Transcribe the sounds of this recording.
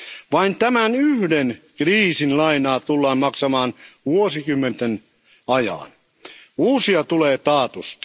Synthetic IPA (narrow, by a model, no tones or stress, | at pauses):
ʋɑint̪æmænyhdenkriːsinlɑinɑːt̪ulːɑːmmɑksɑmɑːnʋuosikymːent̪en | ɑjɑ̰ːn | uːsiɑt̪uleːt̪ɑːt̪ust̪